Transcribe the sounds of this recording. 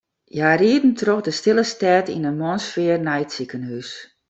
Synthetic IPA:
jaːriədn̩troxdəstɪlˠəstɛːtḭnənmɔnsfɪərnɛjtsikənhys

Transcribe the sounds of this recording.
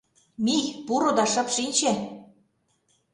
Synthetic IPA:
mijpuɾod̪ɑʃɤ̆pʃinʲt͡ɕe

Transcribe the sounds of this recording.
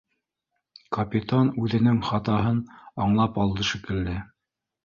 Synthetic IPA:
kɐpʲit̪anʉðɘ̆nɘŋχɑt̪ɑɦɤnɑɴlˠɑpɑlˠd̪ɤʃɘ̆kɘ̆ld̪ɘ

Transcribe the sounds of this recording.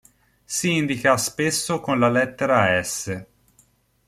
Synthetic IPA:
siind̪ikaspesːokonlalɛt̪ːeɾaɛsːe

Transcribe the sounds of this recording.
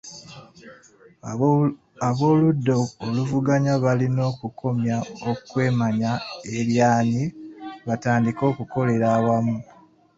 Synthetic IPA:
aβo̞ːludːo̞ːluvuɡaɲaβalino̞ːkuko̞mjaokwe̞ːmaɲae̞ljaːniβataːndiko̞ːkuko̞le̞ɾaːwamu

